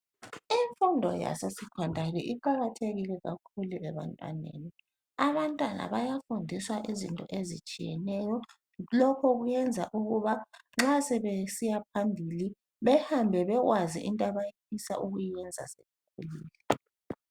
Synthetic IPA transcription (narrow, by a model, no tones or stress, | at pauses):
iɱfundʱɔ̰ja̰sesikʰwandʱalɛʔiǃaɣatʰeɣilɛɣakʰuluʔɛβa̰ntʼwa̰nḛni | aβantʼwana̰βajafundʱiswaʔizḭntʼɔ̰ʔezḭt͡ʃʼijɛ̰nɛjɔ | lɔkʰɔɣujɛnd͡zʱaʔuɣuβaŋ͡ǁasɛβesijap̚ʰambʱili | βɛhambʱɛβɛɣwazḭʔintʼaβajipʰisa̰ʔuɣujijɛnd͡zʱaseβukʰṵliːlɛ